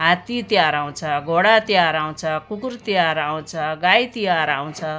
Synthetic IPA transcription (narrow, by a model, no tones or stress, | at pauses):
ɦat̪it̪jaɾaw̃t͡sʰʌɡʱoɽat̪jaɾaw̃t͡sʰʌkukurt̪jaɾaw̃t͡sʰʌɡajt̪iaɾaw̃t͡sʰʌ